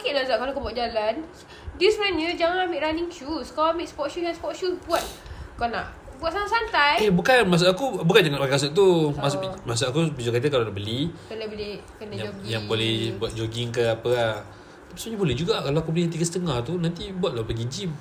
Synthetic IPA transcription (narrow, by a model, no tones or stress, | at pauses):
kiʔlazaʔkalakubuaʔ̪̚d͡ʒalan | dismanəd͡ʒaŋanamiʔɾaniŋt͡ʃuskaamiʔspɔt̚ʃujaŋspɔt̚ʃusbuat̪̚kana̰ʔ | buat̪̚saŋasant̪ajebukanmas̬ʊʔakubukand͡ʒaŋanpakmas̬ʊʔ̚t̪umasʊʔmas̬ʊʔakubid͡ʒokat̪̬əkalanaʔbəlikənəbəlikənaaoɡjaŋbolɛhbuat̪̚d͡ʒoɡiŋkəapəka | t̪api̥səɲabolɛhd͡ʒuɡakalaakubəlit̪̬iɡəsə̥t̪əŋaht̪unant̪ibuat̪̚lapəɡid͡ʒim